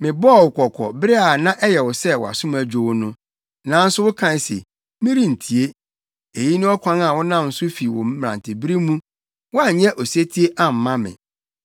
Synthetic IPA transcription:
mɪ̃˨bɔ˦˨wkʰɔ˨kʰɔ̰˨bɪ˦ɾe˦a˨nã˦ʔɛ˦jɛ˨wɔ˨sɛ˦wɔ˨a̰˨sʊ̃˦m˨æ˨d͡ʑᶣo˨wnʊ̃˦ | nã˨˦n̩˦sʊ˦wʊ˦kʰã˦n˦sḛ˨ | mĩ˦ɾĩ˦n̩˨tʰi˨e˦ | e˨ji˦nʊ̃˦ɔ˦kʷʰã˦na˨wɔ˦nã˦˨n̩˨sʊ˦fi˨wɔ̃˨mː˦˨ɾã̰˨ntʰɪ˨bi˦ɾi˦mũ˦ | wʊ˦a˨˦ɲɛ̃˦ʔɔ˨se˦tʰi˦e˦ʔa˦m̩˨mã˦mɪ̰̃˨

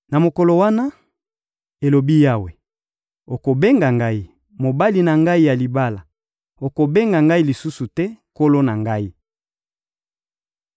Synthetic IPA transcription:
na˨mo˨ko˨lo˨wa˦na˦ | e˨lo˨bi˦ja˦we˨ | o˨ko˨be˦ŋɡa˨ŋɡa˦i˦ | mo˨ba˦li˨na˨ŋɡa˦i˦ja˨li˨ba˦la˨ | o˨ko˨be˦ŋɡa˨ŋɡa˦i˦li˨su˦su˨tɛ˦ko˦lo˦na˨ŋɡa˦i˦

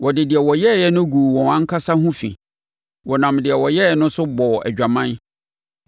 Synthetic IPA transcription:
wʔɔ˨dɪ˨dɪ˨ɛ˨wɔ˨jɛ˦˨jɛ˦nʊ̃˦ɡuː˨wɔ̃˨wã˦ŋ̩˦kʰa˦sa˦hʊ̃˦fḭ˨ | wɔ˨nã˨mdɪ˨ɛ˨wɔ˨jɛ˦jɛ˦nʊ̃˦sʊ˦bɔ˨ɛ̰˨d͡ʑᶣa˨mã˦n

